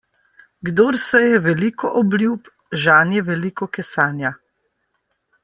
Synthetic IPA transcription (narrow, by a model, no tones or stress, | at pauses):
ɡd̪oːɾsɛjɛʋɛlikɔʔɔblʲjup | ʒaːnjɛʋɛlikɔkɛsaːnja